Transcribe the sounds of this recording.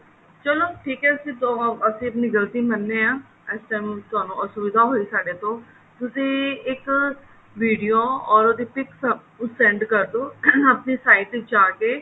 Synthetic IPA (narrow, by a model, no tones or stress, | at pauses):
t͡ʃəloːʈʰiːkɛːsĩːt̪oːəsĩːəpniːɡəlt̪iːmənːeːãː | ɛsʈaːmt̪ʊaːnũːəsʊbɪd̪ʱaːɦoːisaːɖeːt̪õː | t̪ʊsĩːɪk | ʋiːɖijoːɔːɾod̪iːpɪksəp | sɛ̃ːɳɖkəɾd̪oːəpniːsaːɪʈd͡ʒaːkeː